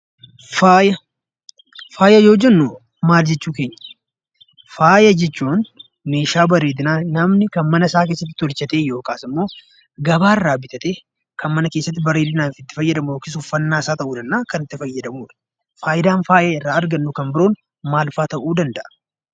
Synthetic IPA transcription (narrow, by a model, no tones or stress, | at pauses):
faːjɐ | faːjɐjo̞ːd͡ʒɛnːʊ | maːld͡ʒɛt͡ʃːuːke̞ːɲːɐ̥ | faːjɐd͡ʒɛt͡ʃːuːn | me̞ːʃaːbɐɾeːd̪ɪnaːnɐmnɪkɐnmɐnɐsaːke̞ːsːɐt̪ːɪ̥t̪ːɔlt͡ʃɐt̪eːjo̞ːkaːsɪmːo̞ː | ɡɐbaːɪrːaːbɪt̪ɐt̪eː | kʰɐnmɐnɐkeːsːɐt̪ːɪbɐɾeːd̪ɪnaːnfɪt̪ːɪ̥fɐjːɐd̪ɐmʊoːkɪsʊfːɐnːaːsaːt̪ɐʔuːd̪ɐnːaːkɐnɪt̪ːɪfɐjːɐd̪ɐmuːᶑɐ̥ | faːjɪd̪aːnfaːjɐɪrːaːɐɾɡɐnːʊkɐmbɪɾoːn | maːlfaːt̪ɐʔuːd̪ɐnd̪ɐʔɐ̥